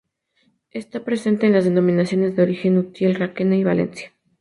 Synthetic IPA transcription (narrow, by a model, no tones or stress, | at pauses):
e̞st̪apɾe̞se̞nt̪e̞ːnlazðe̞nõ̞mĩnasjo̞ne̞zðeo̞ɾixe̞nut̪jelrakenaiβa̰le̞̰nsjḁ